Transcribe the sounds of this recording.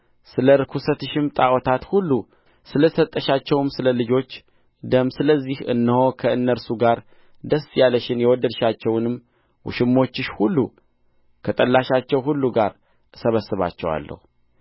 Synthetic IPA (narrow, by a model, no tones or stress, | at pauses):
sɨləɾɨkʰusət̪ɨʃɪmt̪ʼawɔt̪ʰat̪hulːu | sɨləsət̪ʼːəʃat͡ʃːɛwɨmsɨləlɨd͡ʒo̞t͡ʃː | d̪əmsɨləzːihɨ̰nːəho̞kʰəɨnːəɾsuɡaɾ | d̪əsjaləʃɪnjɛwɔd̪əd̪ʃat͡ʃːɛwnɨmː | wʊ̰ʃɪmːo̞t͡ʃːɨʃhulːu | kʰət̪ʼəlːaʃat͡ʃːɛwɦulːuɡaɾ | səβəsːɨβa̰t͡ʃːɛwa̰lːə̰hu